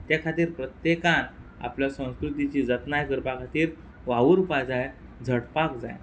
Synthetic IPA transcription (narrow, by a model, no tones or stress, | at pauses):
t̪jakʰat̪iːɾpɾət̪jekana̰pljasə̃w̃skɾut̪it͡ɕiːd͡zət̪najkəɾpakʰat̪iːɾ | ʋaʋəɾupajd͡zaj | d͡zʱəɽpakd͡za̰j